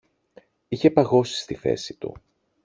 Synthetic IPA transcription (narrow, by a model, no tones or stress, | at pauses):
içe̞pɐɣo̞si̥st̪iθe̞̰sit̪ṵ